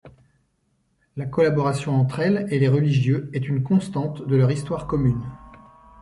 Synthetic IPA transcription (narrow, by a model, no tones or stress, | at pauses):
lakɔlabɔʁasjɔ̃ɑ̃t̪χɛleleʁəliʒjøɛt̪ynkɔ̃st̪ɑ̃t̪d̪əlœʁist̪waʁkɔmyn